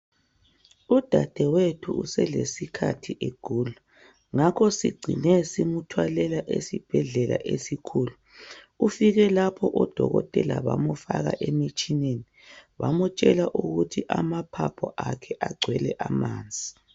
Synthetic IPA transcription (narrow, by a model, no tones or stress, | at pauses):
ud̥ʱad̥ʱɛwetʰuṵsɛlesikʰatʰiʔeɡ̥ʱuːlu | ŋakʰɔsiɡ͡ǀʱinɛsimutʰwalɛlaʔesib̥ʱɛɮɛla̰ʔesikʰuːlu | ufiɣɛlapʰɔʔɔd̥ʱɔɣɔtʼɛlaβamufaɣa̰ʔemit͡ʃʼineni | βamɔt͡ʃʼɛlaʔuɣutʰiʔamapʰapʰɔʔakʰɛʔaɡ͡ǀʱwɛlɛʔamaːnd͡zʱi